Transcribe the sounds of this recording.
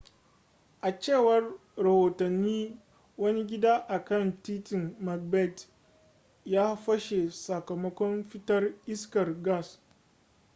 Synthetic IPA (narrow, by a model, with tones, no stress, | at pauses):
ʔa˨t͡ʃeː˦˨wɐ˦rɾɐ˨hoː˨tɐ˨nːiː˦ | wɐ˦ni˦ɡʲɪ˦daː˦ʔa˨kɐ˦˨ntiː˦tɪ˨nma˨k̚bɛ˦˨t | jaː˦ɸɐ˦ʃe˨sɐ˨kɐ˨mɐ˦kʷɔ˦mɸɪ˦tɐ˦rʔɪ˦skɐ˨rɡa˦˨s